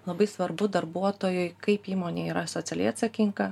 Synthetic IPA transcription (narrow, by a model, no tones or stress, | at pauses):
lˠɐbɐɪsʋɐɾbʊd̪ɐɾbuɔt̪oːjʊɪkɐɪpiːmoːnʲeːiːɾɐsot̪sʲɛlʲɛ̰ɐt̪sʲɐkʲɪŋkɐ